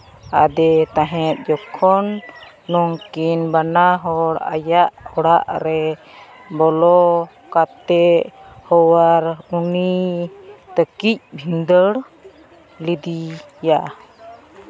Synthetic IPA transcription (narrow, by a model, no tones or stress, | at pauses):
a̰d̪ɛt̪ãɦɛt̪̚d͡ʒɔkʰɔnː | ɔŋkinbanaɦɔɽa̰jaʔɔɽaʔɾɛ | bɔlɔ | kat̪ɛʔhɔwaɾuni | t̪əkic̚bʱind̪əɽ | lid̪ija